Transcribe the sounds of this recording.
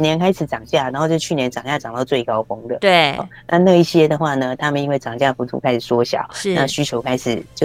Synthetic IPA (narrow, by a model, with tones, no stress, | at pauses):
njɛ˧˦˥nkʰa˥ɪʂɻ̩˨˩ʈ͡ʂɑ˨˩ŋt͡ɕja˥˩na˨˧nxo˥˧ʊt͡ɕjo˥˧ʊt͡ɕʰy˥˩njɛ˧˥nʈ͡ʂɑ˨˩ŋɕja˥˩ʈ͡ʂɑ˨˩ŋt̪a˥˧t͡swe˥˩ɪkɑ˥ʊfɤ˥ŋd̪ə˨t̪wḛ˥˩˨na˥˧na˥˧i˥˩ɕjɛ˥d̪ə˨xwa˥˩nə˩t̪ʰa˥mə˨ni˥nwe˥˩ɪʈ͡ʂɑ˨˩ŋɕ̬ja˥˩fu˧˩t̪ʰṵ˥kʰa˥ɪʂɻ̩˨˩swɔ˥ɕjɑ̰˨˩˦ʊna˥˧ɕy˥t͡ɕʰjo˧˥ʊkʰa˧˥ɪʂɻ̩˨˩˦t͡ɕjo˥˩